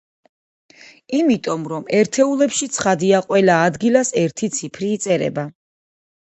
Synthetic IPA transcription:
imit̪ʼɔmɾɔmɛɾt̪ʰɛulɛpʃit̪sʰχad̪iaqʼwɛlaːd̪ɡilasɛɾt̪ʰit̪sʰipʰɾiːt̪sʼɛɾɛ̰ba

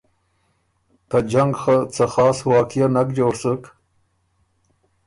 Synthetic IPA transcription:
t̪ad͡ʒaŋɡxat͡saxɑːswɑːkijanakd͡ʒoːɽsək

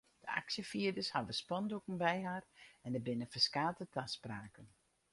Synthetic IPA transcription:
d̥əa̰ksjəfiədəshaʋəspɔndokəmbɛjɦaːrɛndəbɪnəfəskaːtətʰaspraːkən

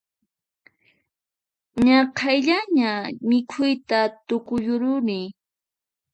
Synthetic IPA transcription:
ɲɑqʰajʎaɲamɪkʰʊjt̪at̪ʊkʊjʊɾʊɾɪ

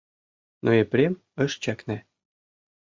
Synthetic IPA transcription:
noepɾʲem | ɤ̆ʃt͡ɕæknæ

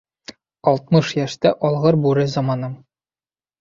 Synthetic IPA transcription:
ɒlˠt̪̚mɤʃjæʃt̪æʔɒlˠʁɤɾbuɾɘzɒmɑnɤm

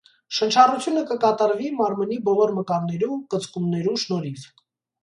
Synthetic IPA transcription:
ʃənt͡ʃʰɑrut͡sʰjunəkəkɑt̪ɑɾvimɑɾmənibɔlɔɾməkɑɾnːɛɾukət͡sʰkumnɛɾuʃnɔɾit͡s

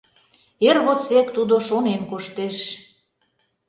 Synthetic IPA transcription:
erβot͡sekt̪ud̪oʃonenkoʃt̪eʃ

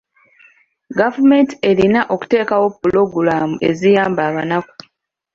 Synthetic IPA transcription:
ɡavume̞ntie̞linaʔo̞ku̥te̞ːkawo̞pːulo̞ɡulamuʔe̞zijaːmbaːβanaku̥

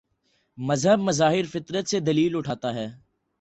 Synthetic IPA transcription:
məzɦəbməzaːɦɪɾfɪt̪ɾət̪sed̪ɐliːlʊʈʰaːt̪aːɦɛː

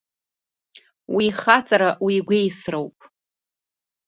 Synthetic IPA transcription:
wiːχat͡sʼaɾaʔwiɡʷejsrowpʼ

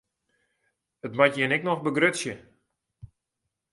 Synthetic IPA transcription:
ətmatjɪnɛknɔxbəɡrøtsjə

